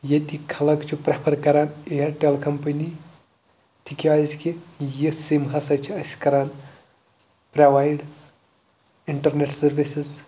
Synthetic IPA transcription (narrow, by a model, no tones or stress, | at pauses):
jet̪ikʰɐlɐkt͡ʃʰupɾepʰɐɾkɐɾaːnejɐɾʈelkʰɐmpɐni | t̪ʰikʲiaːzʲkijisimɦɐsɐt͡ʃʰiɐskɐɾaːn | pɾaʋaːjɖ | iɳʈɐɾneʈsɐɾʋisiz